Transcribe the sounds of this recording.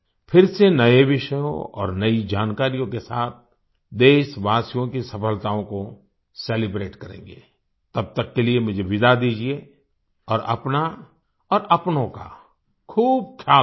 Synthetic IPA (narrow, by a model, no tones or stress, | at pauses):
pʰɪɾsenɐeʋɪʃəjõ̰ɔ̰ːɾnɐid͡ʒaːnkaːɾijõkesaːt̪̚ʰ | d̪eːʃʋaːsijõkisɐpəlt̪aõko | seːlɪbɾeːʈkɐɾḛ̃ːŋɡḛː | t̪ɐb̚t̪əkːeliemʊd͡ʒʱeʋɪd̪ad̪iːd͡ʒie | ɔːɾɐ̰pna | ɔːɾɐpnõka̰ | kʰuːb̚kʰjaː